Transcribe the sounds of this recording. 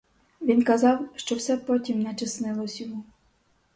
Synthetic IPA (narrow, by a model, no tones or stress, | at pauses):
ʋʲinkɐzɑwʃt͡ʃɔwsɛpɔtʲimnɛt͡ʃɪsnɪlˠɔsʲʊmu